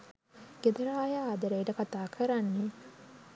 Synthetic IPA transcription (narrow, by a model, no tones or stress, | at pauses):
ɡ̥ed̪əɾaːjaːd̪əɾejʈəkat̪aːkʰəɾanːe